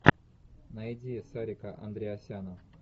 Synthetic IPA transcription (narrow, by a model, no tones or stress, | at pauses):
nɐjdʲisaɾʲɪkəʔɐ̰nd̪ɾʲɪɐsʲanəf